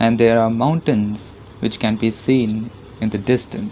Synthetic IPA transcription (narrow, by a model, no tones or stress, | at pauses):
ʔɛ̃ɳɖd̪eːɾaːɾmãʊ̃ɳʈə̃nz | ʋɪt͡ʃkɛ̃nbiːsĩːn | ɪ̃nd̪əɖɪsʈə̰̃ns